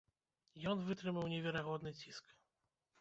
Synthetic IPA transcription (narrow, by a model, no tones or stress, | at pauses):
jɔnvɨt̪ɾɨmawnʲɛvʲɛɾaɣɔd̪nɨt͡sʲisk